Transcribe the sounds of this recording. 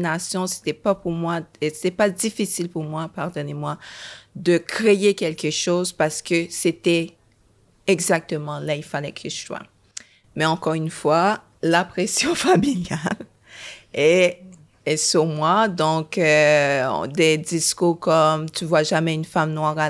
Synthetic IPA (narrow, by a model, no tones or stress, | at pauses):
nasjɔ̃se̥t̪ɛpapuʁmwaese̥t̪ɛpad̪ifisilpuʁmwapaʁd̪ɔnemwad̪əkʁejekʲɛlkəʃozpaʁsə̥kəset̪ɛ | ɛɡzak̚t̪əmɑ̃lailfalɛkʰəʃswa̰ | mɛɑ̃kɔʁynfwa | lapχesjɔ̃familjal | e | syʁmwad̪ɔ̃kø̰ | d̪ɛd̪iskuʁkɔmt̪yvwaʒamɛynfamnwaʁa